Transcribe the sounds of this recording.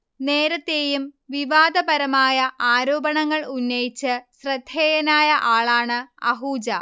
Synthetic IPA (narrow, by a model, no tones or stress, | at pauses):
ne̞ːɾɐt̪ːe̞ːjumʋiʋaːd̪ɐbɐɾɐmaːjɐʔaːɾo̞ːbɐɳɐŋːɐɭunːɐjit͡ɕːɨɕrɐd̪ʱːeːjɐnaːjɐʔaːɭaːɳɨɐ̰ɦuːd͡ʑɐ